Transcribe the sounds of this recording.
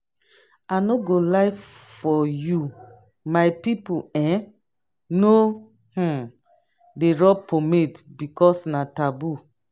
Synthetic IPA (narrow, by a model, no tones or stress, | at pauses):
anoɡolaɪffɔju | maɪpipuɛ̃ | no | h̩ | deɹɔpʰomedbikɔsnatabu